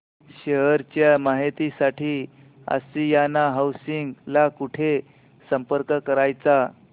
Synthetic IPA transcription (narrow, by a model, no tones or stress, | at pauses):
ɕeɦəɾt͡ɕjamaɦit̪isaʈʰiː | ə̰sijanaɦawsiŋɡlakuʈʰe | səmpəɾkəkəɾajt͡sa